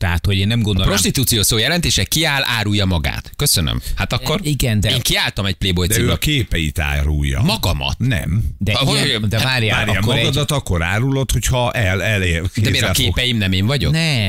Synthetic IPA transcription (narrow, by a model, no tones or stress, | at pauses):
t̪ɛɦat̪hoɟeːnːɛmɡond̪opro̞ʃt̪it̪uːt̪sijoːsoːjɛlɛnt̪eːʃɛkiaːlaːɾujːɒmɒɡa̰ːt̪køsønø̰mhat̪ɒkːo̞riɡɛnd̪eːŋkiaːlt̪ɒmɛɟ̚pleːbo̞jt̪d̪siøkeːpɛjḭt̪a̰ːɾṵjːɒ̰mɒɡɒmɒ̰t̪nɛ̰md̪ɛɦd̪ɛvaːɾjavaːɾamkːɔɾɛɡɔd̪ɒt̪ɒkːo̞ɾa̰ːɾulo̞t̪ho̞chɒʔɛlɛlekd̪ɛeːɾɒkeːpɛjimnɛmeːɱvɒɟo̰knɛ